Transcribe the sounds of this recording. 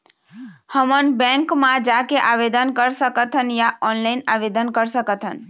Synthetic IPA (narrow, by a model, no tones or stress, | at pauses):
həmənbɛ̃ŋkmãd͡ʒakeʔaʋed̪ənkəɾsəkət̪ʰɦənjaʔɔnlaɪnaʋed̪ənkəɾsəkət̪ʰɦən